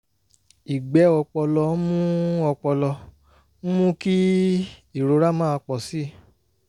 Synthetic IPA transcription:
i˨ɡ͡bɛ˨˦ɔ˧k͡pɔ˧lɔ˧˦mũ˦ɔ˧k͡pɔ˧lɔ˧˦ | mũ˦ki˦ | i˦˨ɾo˨˧˦ɾa˦mã˦a˧k͡pɔ˨si˨˦˨

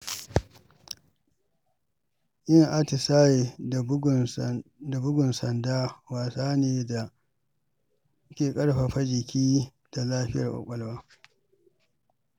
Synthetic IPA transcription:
ʔɪ˦ŋʔa˦tɪ˨saː˦je˨ | da˨bʊ˦ɡʊ˨nsɐ˨ndaː˦waː˨saː˦neː˨da˨˦ | kʲeː˨kʼɐ˦ɽɸa˨ɸa˦d͡ʒɪ˨kʲʰiː˦ | d̥a˨laː˦ɸɪ˦jɐ˨kʷʼa̰˨kʷʼɐ˨lwaː˦

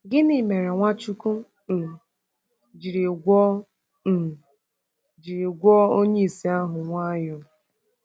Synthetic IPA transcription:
ɡɪ˦ni˨me˨ɾe˨ŋʷa˦t͡ʃu˦ku˦˨ | d͡ʒi˨ɾi˨ɡʷɔ˦ | n̩˨ | d͡ʒi˨ɾi˨ɡʷɔ˦o˦ɲe˦i˨si˨a˦ɦʊ˨ŋʷa˦jʊ˨

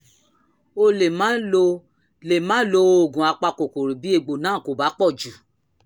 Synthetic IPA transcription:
o˧le˨mã˦o˧ | le˨mã˨˦lo˧o˨ɡũ˨a˧k͡pa˧ko˨ko˨ɾi˨bi˦e˧ɡ͡bo˨nãː˨˦˨ko˨ba˨˦k͡pɔ˦˨d͡ʒu˨

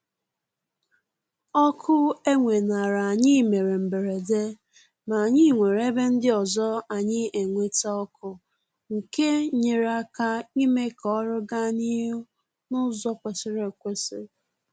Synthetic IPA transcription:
ɔ˦kʰʊ˦e˦ŋʷe˨na˨ɾa˨a˨ɲɪ˦˨me˨ɾe˨m̩˨be˨ɾe˨de˦ | ma˨ɲi˦˨ŋʷe˨ɾe˦be˦n̩˦dɪ˦ɔ˨zɔ˦a˨ɲɪ˦e˨ŋʷe˦ta˦ɔ˦kʊ˨ | ŋ̩˨ke˦ɲe˨ɾa˦ka˦i˦me˦kɔ˨˦ɔ˦ɾʊ˦ɡa˦ni˦ɦʊ˦ | nʊ˦zɔ˦kʷe˨sɪ˦ɾe˨kʷe˦sɪ˦

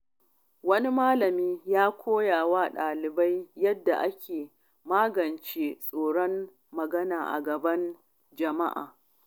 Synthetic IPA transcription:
wɐ˦ni˦maː˦lɐ˨miː˦jaː˦kʷʰoː˦jaː˨waː˦ɗaː˨lɪ˨ba˦jːɐ˦dːa˨ʔa˦kʲeː˨ | maː˦ɡɐ˨nt͡ʃeː˦sʼoː˨ɽɔ˦mː | ɐ˨ɡɐ˦naː˨ʔa̰˨ɡɐ˨bɐ˦n | d͡ʒɐ˨ma˦ʔa̰ː˨

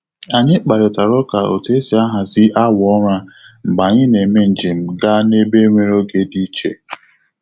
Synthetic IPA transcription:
a˨ɲɪ˦k͡pa˨ɾɪ˨ta˨ɾɔ˦ka˨o̰˨te˦si˨a˦ɦa˨zɪ˦ʔa˦wɔ˦ɾa˦ŋ͡m̩˨ɡ͡ba˨ɲɪ˦ne˨me˦n̩˨d͡ʒɪ˨m̩˨ɡa˦ne˦be˦ŋʷe˦ɾo˦ɡe˦di˦t͡ʃḛ˨

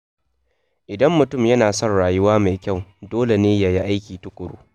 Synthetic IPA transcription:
ʔɪ˨dɐ˦mːʊ˨tʊ˦˨mjɐ˦naː˨sɔ˦nɽaː˨jʊ˦waː˦ma˨jkʲa˦˨wdoː˦le˨neː˦ja˦ji˦ʔa˦jkʲiː˨tʊ˦kʷʼʊ˨ɽṵː˦

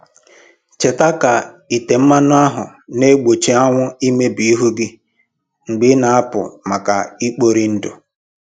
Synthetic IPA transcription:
t͡ʃe˨ta˦ka˨ | i˨te˨m̩˦ma˦nʊ˦a˦ɦʊ˨ | ne˦ɡ͡bo˨t͡ʃe˨a˦ŋʷʊ˦i˦me˦bi˨i˦ɦu˦ɡɪ˦ | ŋ͡m̩˨ɡ͡bɪ˦na˨a˦pʊ̰˨ma˨ka̰˨i˦k͡po˦ɾi˦n̩˦dʊ̰˨

